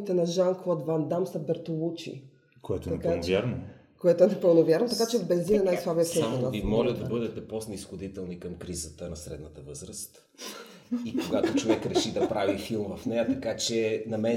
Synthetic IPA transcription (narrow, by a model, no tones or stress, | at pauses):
it̪ɛnɐʒaŋkˠɔd̪vand̪amsɐbɛɾt̪olˠut͡ʃḭ | koɛt̪oɛɐkanvaɾno | koɛt̪oɛnɛpəlˠnovʲjaɾnot̪ɐkat͡ʃɛvbɛnzinɐnajslˠabiɛsɛamavimɔlʲəd̪ɐbɤd̪ɛt̪ɛpɔsnəisxod̪it̪ɛlˠnikɐmkɾizət̪ənɐsɾɛ̰d̪nət̪əvɤzɾəst̪ | ikoɡat̪ot͡ʃovɛkɾɛʃid̪ɐpɾavifilˠmvɐfnɛjɐt̪ɐkat͡ʃɛnɐmɛ